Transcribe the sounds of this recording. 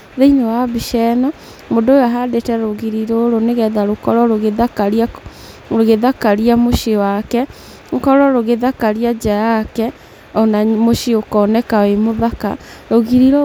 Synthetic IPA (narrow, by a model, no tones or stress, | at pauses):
ðeinowabiʃɛnɔ | modooaɦadetɛɾoɣiɾiɾoɾoneɣɛðaɾokɔɾɔɾoɣeðakaɾia | ɾoɣeðakaɾiamoʃewakɛ | ŋkɔɾɔɾoɣeðakaɾiad͡ʑajakɛ | ɔnamoʃeokɔnɛkawemoðaka̰ɾoɣiɾiɾo